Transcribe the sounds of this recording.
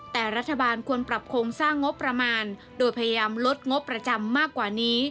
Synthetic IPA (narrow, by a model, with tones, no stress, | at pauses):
t̪ɛː˨˩ɾa˦˥t̪ʰːa˧baː˧nkʰu˧ənpɾa˨˩p̚kʰoː˧ŋsaː˥˩ŋːo˦˥pːɾa˧maː˧n | doː˧jpʰa˧ja˧jaː˧mlo˦˥t̪̚ŋo˦˥pːɾa˧t͡ɕa˧mːaː˥˩kːwaː˨˩niː˦˥